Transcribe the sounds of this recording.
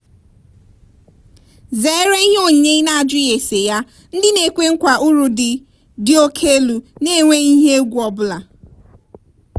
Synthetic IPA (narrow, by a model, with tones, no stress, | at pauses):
ze˨˦ɾe˦i˦ɦe˦o˦˨ɲe˦i˦na˨a˨d͡ʒʊ˦e˨se˨ja˦ | n̩˦dɪ˦ne˨kʷe˦ŋ̩˦kʷa˨ʔu˦ɾu˨dɪ˨ | dɪ˨o˦kʰe˦lu˨ne˦˨ŋʷe˦i˦ɦe˦ɡʷu˦ɔ˨bʊ˦la˨